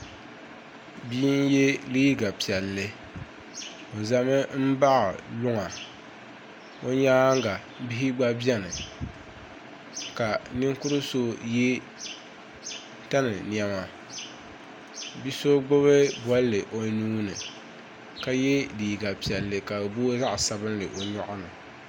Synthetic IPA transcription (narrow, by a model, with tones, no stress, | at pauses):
bi˦nje˦liː˦ɡa˨pi˨ɛ˨lːɨ˦ | o˨za˨mɨ˦m̩˦ba˦ʔa̰˨lʊ˦ŋa˨ | o˦ɲaː˦ŋɡa˨ | bi˦ɦi˦ɡ͡ba˦bɛ˦nɨ˨ | ka˨ni˦ŋkʊ˦ɾɨ˦so˦je˦ | ta˦nɨ˨ni˨ɛ˨˦ma˨ | bi˦so˦ɡ͡bo˦βɨ˦bwɔ˦lːɨ˨ʔo˨˦nuː˦nɨ˨ | ka˦jɛ˦di˨ji˨ɡa˨pi˨ɛ˨lːɨ˦ka˨boː˦za˦ʔsa˦bɨ˦nlɨ˨ʔo˨ɲɔ˦ʔa˦nɨ˨